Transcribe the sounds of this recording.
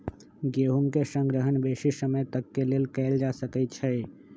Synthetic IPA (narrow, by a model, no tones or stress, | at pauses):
ɡeɦuŋkesə̃ŋɡɾəɦənbesisəməjt̪əkːelelkɛɪld͡ʒasəkɛt̪̚t͡ʃʰəj